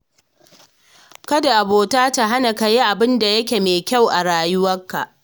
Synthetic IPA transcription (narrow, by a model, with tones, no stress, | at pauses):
kɐ˦da˨ʔa˨boː˨taː˦ta˨ɦa˦na˨ka˨ji˦ʔa˨bɪ˦nda˨jɐ˦k̬ʲeː˨meː˨kʲa˦˨wʔa˨ɽaː˨jʊ˦wɐ˦kːa˨ʔ